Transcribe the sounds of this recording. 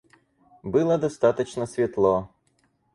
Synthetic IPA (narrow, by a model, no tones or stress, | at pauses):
bɨlˠɐd̪ɐst̪ɑt̪ət͡ɕnɐsʲvʲit̪lˠɔ